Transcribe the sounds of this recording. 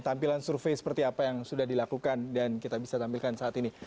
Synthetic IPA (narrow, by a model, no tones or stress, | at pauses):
t̪ampilansurfejsə̥pərt̪iapajaŋsudahdilakukandankit̪abisat̪ampilkansaːt̪ini